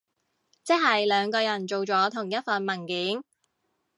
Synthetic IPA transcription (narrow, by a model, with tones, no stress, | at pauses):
t͡sɛ˥k̚ɦɐ˨jlœː˨˧ŋkɔː˧jɐ˨˩nt͡ʃo˨wt͡ʃɔː˨˥t̪ʰʊ˨˩ŋjɐ˥t̚fɐ˨nmɐ˨˩nkɪː˨˥ŋ